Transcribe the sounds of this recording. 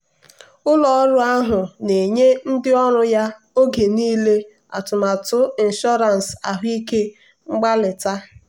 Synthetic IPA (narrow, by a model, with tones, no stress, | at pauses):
ʊ˦lɔ˦ɾʊ˦a˦ɦʊ˨ne˨ɲe˦n̩˦dɪ˦ɔ˦ɾʊ˦ja˦ | o˦ɡe˨niː˦le˦ | a̰˨tʊ˨ma˨tʊ˦i˨n̩˨ʃɔ˦ɾa˨n˨sa̰˨ɦi˦ke˦ | ŋ͡m̩˦ɡ͡ba˦lɪ˨ta˦